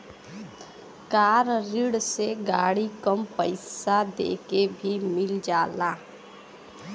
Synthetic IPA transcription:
kaːɾɾɪɽseɡaːɽikəmpəɪsad̪ḛːkebʱimɪld͡ʒaːlaː

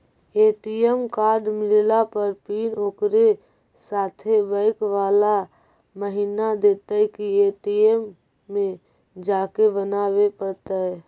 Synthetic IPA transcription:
eːʈiemkaːɾɖmɪllapəɾpiːnoːkɾe | saːt̪ʰebəɪkʋaːla | məɦinad̪eːt̪akieːʈiemː | ẽ | d͡ʒaːkebənaːwepəɾt̪aɛ

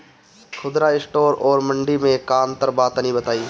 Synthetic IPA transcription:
kʰʊd̪ɾaɪsʈoːɾɔːɾmə̃ɳɖimẽkaːnt̪əɾbaːt̪nĩbət̪aːiː

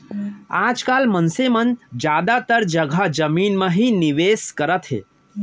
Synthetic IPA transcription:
ad͡ʒkalmənsemənd͡ʒad̪at̪əɾd͡ʒəɡʱad͡ʒəmiːnməɦiniʋeskəɾət̪ɦḛ

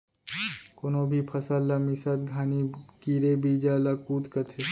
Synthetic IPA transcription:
konoːbʱipʰɐsalːɐmisat̪̚ɡʱaːnikiːɾebiːd͡ʒalakuːt̪kɐt̪ʰe

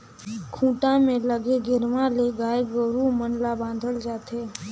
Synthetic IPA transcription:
kʰũːʈãmẽləɡeɡɪɾʋãleɡaːeɡəɾumənlabãːnd̪ʱəld͡ʒaːt̪ʰeː

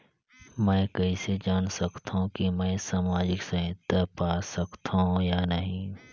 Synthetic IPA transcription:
mɛ̃ːkɐɦised͡ʒaːnsɐkt̪aɦũkimɛ̃ːsaːmaːd͡ʒɪksɐ̃ɦɪt̪əpaːsɐkt̪ʰaɦũjaːnɐɦĩ

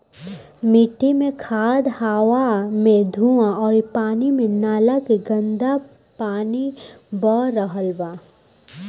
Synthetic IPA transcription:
mɪʈimẽkʰaːd̪haːʋamẽd̪ʱuãɔːɾipaːnimẽnaːlakeɡə̃nd̪a | paːnibɔːɾəɦəlbaː

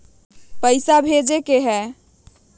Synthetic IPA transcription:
pəɪsabʱed͡ʒekeɦɛ

